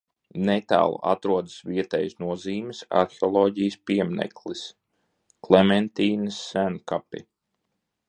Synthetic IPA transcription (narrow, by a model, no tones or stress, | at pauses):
nɛt̪a̰ːl̰ˠa̰t̪ɾuɔd̪ɨ̥sviɛt̪ɛjsnuɔziːmɪsa̰ɾxeɔlˠɔːɟijəspiɛmnɛ̰klˠis | klˠemɛnt̪iːnəsːænkapḭ